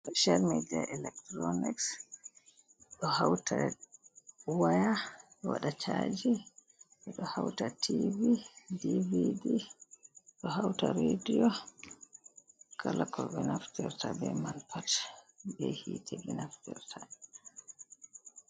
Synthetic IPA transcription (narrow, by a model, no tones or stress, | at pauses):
ɗɔʃaɾmɛdiaʔɛlɛk̚tɾɔnɛks | ɗɔhawtʰa | wajawaɗat͡ʃʰad͡ʒi | ɓɛɗɔhawtatʰividividi | ɗɔɦawtaɾedijɔ | kʰalakʰɔbɛnaftiɾtabɛmanpʰatbɛhiːtʰɛbɛnaftiɾtʰa